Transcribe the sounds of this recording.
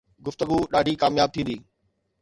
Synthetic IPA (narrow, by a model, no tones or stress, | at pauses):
ɡʊft̪əɡuɗaːɖʱikaːmjaːb̚t̪ʰĩːnd̪iː